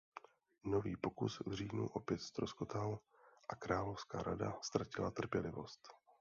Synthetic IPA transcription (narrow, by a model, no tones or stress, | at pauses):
no̞viːpo̞kusvr̝iːnṵʔo̞pjɛt̪st̪ɾoskot̪al | ʔakɾaːlo̞fskaːɾadast̪ɾacɪlat̪r̩pjɛlɪvo̞st̪